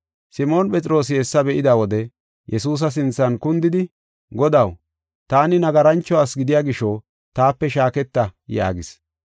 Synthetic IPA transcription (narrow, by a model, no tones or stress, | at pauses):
sɪmo̞ːnpʼɛt͡sʼɾo̞ːs̬ɪhɛsːɐbɛʔɪd̪awɔd̪ɛ | jɛsuːs̬ɐs̬ɪnt͡sːɐnkʊnd̪ɪd̪ɪ | ɡɔd̪ɐw | t̪aːnɪnɐɡɐɾɐnt͡ʃːɔaːsɡɪd̪ɪjaːɡɪʃɔ | t̪aːpːɛʃaːkɛt̪ːɐja̰ːɡɪs